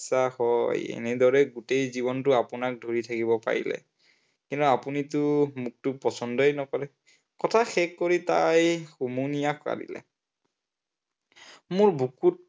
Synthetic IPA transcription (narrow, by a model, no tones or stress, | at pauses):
sahɔjḛnɛdʱɔɹɛɡutejzibɔntʊapunak̚dʱoɹitʰakibɔpa̰ɹḭlɛ̰ | kintuapunitʊmuk̚tʊpɔsɔndɔjnɔkɔɹɛ | kɔtʰaxɛkːoɹitajxumunijakpa̰dḭlɛ̰ | mʊɹbʱukut̚